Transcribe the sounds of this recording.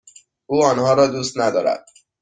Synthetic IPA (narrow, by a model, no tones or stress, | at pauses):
ʔuːɒːnhɒːɾɒːd̪uːst̪næd̪ɒːɾæ̰d̪̥̚